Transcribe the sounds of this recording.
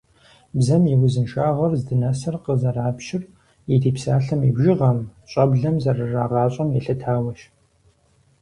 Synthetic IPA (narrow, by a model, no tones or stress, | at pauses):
bzɐmjɛwʊzɨnʃaːʁɐrzdɨnɐsɐrqəzɐraːpʃɪr | idiːpsaːɬɐmibʒɪʁɐmɕʼɐbɮɐmzɐrɨraːʁɑːɕʼɐmjɛɬɐtʰaːwɐʃ